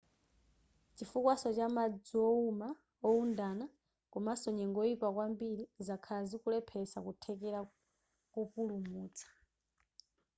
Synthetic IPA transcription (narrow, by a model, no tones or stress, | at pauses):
t͡ʃifukwasɔt͡ʃamad͡ziɔuma | ɔundana | kɔmasɔɲɛŋɡɔipakwambiɾizakʰazikulɛpʰɛsakutʰɛkɛɾa | kukulumuːt͡sʰḁ